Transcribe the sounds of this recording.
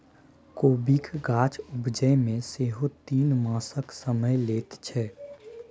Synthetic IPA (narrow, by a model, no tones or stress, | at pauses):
koːbikɡaːt͡ʃʊbd͡ʒəjmẽseːɦot̪iːnmãːsəksəməjleːt̪t͡ʃʰɛː